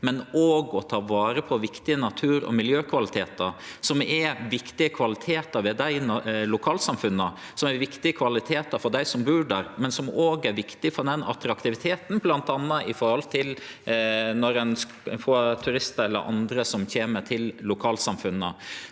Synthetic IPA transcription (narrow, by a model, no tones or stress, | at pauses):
mɛnoːɡɔt̪ʰɑːʋɑːɾəpʰɔʋɪkt̪ɪənɑt̪ʰʉːɾɔ̰mɪljøːkʰʋɑlɪt̪ʰeːt̪əɾsɔmɛɾʋɪkt̪ɪəkʰʋɑlɪt̪ʰeːt̪əɾʋɛd̪æɪnlʊkʰɑːlsɑmfʉnːə | sɔmɛɾʋɪkt̪ɪəkʰʋɑlɪt̪ʰeːt̪əɾfɔɖ̪æɪsɔmbʉːɖæɾmɛnsɔmoːɡæɾʋɪkt̪ɪfɔɖ̪ɛnɑ̰t̪ɾɑkt̪ɪʋɪt̪ʰeːt̪n̩blɑnt̪ɑnːɑʔɪfɔɾhɔlt̪ʰɪl | nɔɾɛns | foːt̪ʰʉɾɪst̪əɛlːə̰ɾʔɑ̰nd̪ɾəsɔmçeːmət̪ʰɪllʊkʰɑːlsɑmfʉnːə